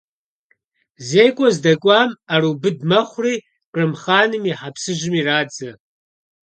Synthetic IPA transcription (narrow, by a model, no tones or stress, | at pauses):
zeːjkʷʼɔzdɐkʷʼɑːmaɾubɨdmɐχʷʊriː | qʼɨmχaːnɨmiħapsɨʒɪmiːraːd͡zɐ